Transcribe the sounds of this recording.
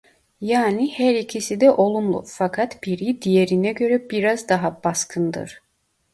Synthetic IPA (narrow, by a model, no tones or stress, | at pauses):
jaːnihæɾicʰisid̪ɛʔo̞lˠumlˠṵfakʰat̪b̥iɾid̪ijeɾinɛɟø̞ɾɛbiɾazd̪aɦabaskʰɯnd̪ɯ̰ɾ̥